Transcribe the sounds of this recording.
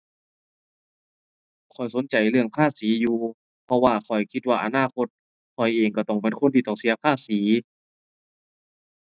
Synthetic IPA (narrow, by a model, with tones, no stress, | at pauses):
kʰɔ˨˩jso˨˦nt͡ɕa˨˩jlɯ˧˩əŋpʰaː˧˥˨siː˨˦juː˧ | pʰɔ˧waː˧kʰɔ˨˩jkʰi˧t̪̚waː˧ʔa˧naː˧˥˨kʰo˧t̪̚ | kʰɔ˨˩jʔeː˨˩ŋka˧˩t̪ɔ˧˩ŋpe˨˦nkʰo˧˥˨t̪ʰiː˧t̪ɔː˧˨˩ŋsi˧˦ɐpʰaː˧˥˩siː˨˩˦